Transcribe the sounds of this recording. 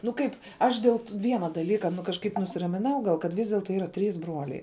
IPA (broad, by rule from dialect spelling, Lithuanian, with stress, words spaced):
nʊ ˈkɐɪp ˈɐʃ dʲeːlˠ ˈʋʲiɛnɐ dɐˈlʲiːkɐ nʊ kɐʃˈkɐɪp nʊsʲɪrɐmʲɪˈnɐʊ ˈɡɐlˠ kɐt ˈʋʲiːs dʲɛlˠˈtoː ˈiːrɐ ˈtʲrʲiːs ˈbruɔlʲɛɪ